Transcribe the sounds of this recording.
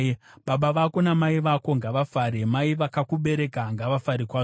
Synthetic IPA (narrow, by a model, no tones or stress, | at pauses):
ɓaɓaʋako̞namaiʋako̞ŋɡaʋafaːɾemaiʋakakuɓe̞ɾe̞kaŋɡaʋafaɾikwaː